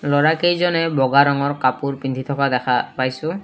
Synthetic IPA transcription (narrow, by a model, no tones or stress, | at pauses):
lɔɹakejzɔnɛbɔɡaɹɔŋɔɹkapuɹpind̪ʰʱit̪ʰɔkadɛkʰapajsʊ̃